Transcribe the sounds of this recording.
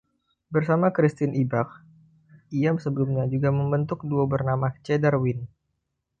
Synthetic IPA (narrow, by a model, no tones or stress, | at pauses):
bərsamakɾist̪ɪnʔibak̚ | iamsəbəlumɲad͡ʒuɡaməmbənt̪ʊk̚duabərnamat͡ʃɛdərwɪn